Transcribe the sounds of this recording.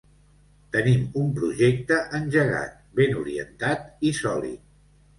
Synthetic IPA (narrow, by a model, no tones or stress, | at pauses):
t̪ənimumpɾuʒek̚t̪əʔənʲʒəɣa̰t̪̚benuɾiə̰nt̪at̪isɔlḭ